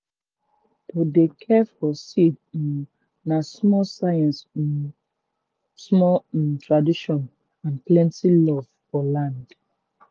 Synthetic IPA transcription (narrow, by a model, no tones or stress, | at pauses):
todekʰɛfɔsid | nasmɔsajɛ̃ns | smɔtɹadiʃɔ̃n | ãnplɛ̃ntilɔvfɔlãnd